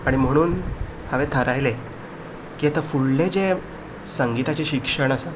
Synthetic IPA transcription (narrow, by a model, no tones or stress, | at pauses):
aɽim̤əɽ̃uːn | haʋet̪ʰəɾajle | kiet̪əfuɽled͡ze | səŋɡit̪at͡ɕeɕikʂəɳ̃əsa